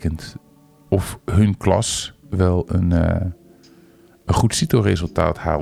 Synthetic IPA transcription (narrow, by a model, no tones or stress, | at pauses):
kənt | ɔfɦənklɑ̰sʋɛlˠən | ənχutsitoːrezəlˠta̰ːtha̰ː